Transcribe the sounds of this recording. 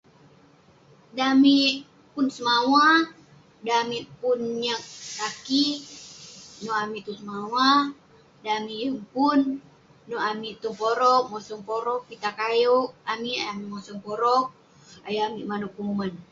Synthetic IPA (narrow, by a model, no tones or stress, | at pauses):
dami | punsəmawa | damiʔpunɲak̚taki | nɔamiʔt̪usəmawa | damijəŋpunː | ɔamiʔt̪uŋpɔɾɔk̚mɔsɔŋpɔɾɔk̚pit̪akajɔk̚amiajamimɔsɔŋpɔɾɔk̚ | ajamiʔmanukuŋuman